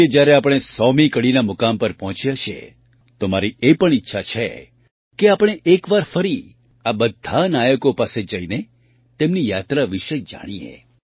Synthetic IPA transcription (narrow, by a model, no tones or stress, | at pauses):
ed͡ʒjaɾeapɽ̃esɔmikəɽinamʊkampəɾpɔɦɔ̃t͡ʃjat͡ʃʰḛ | t̪omaɾiepəɳ̃itːʃʰat͡ʃʰḛ | keapɽ̃eʔekʋaɾfəɾi | abəd̪ʱːanajəkopased͡ʒəine | t̪emnijat̪ɾaʋiʃəd͡ʒa̰ɽ̃iḛ